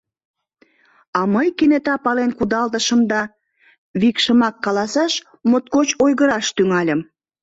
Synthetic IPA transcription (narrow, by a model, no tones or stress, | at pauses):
ɑməjkenet̪ɑpɑlenkud̪ɑld̪əʃəmd̪ɑ | βikʃəmɑkːɑlɑsɑʃ | mot̪̚kot͡ɕojɣəɾɑʃt̪yŋɑlʲəm